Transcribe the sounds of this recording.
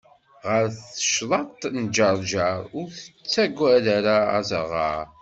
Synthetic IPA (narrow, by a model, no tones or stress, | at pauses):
ʁəɾθə̥ʃlˤɑt̪ˤnd͡ʒəɾˤʒɑɾˤʊɾθə̥t͡sːæɡʷːælaɾaæzəʁɑ̰ɾ